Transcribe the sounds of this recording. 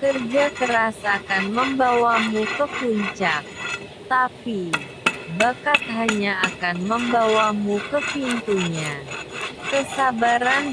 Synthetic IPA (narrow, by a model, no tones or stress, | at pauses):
kərd͡ʒakəɾasakanməmbawamukəkuɲt͡ʃak̚ | t̪api | bakat̪̚ɦaɲaːkanməmbawamukəpint̪uɲa | kəsabaɾan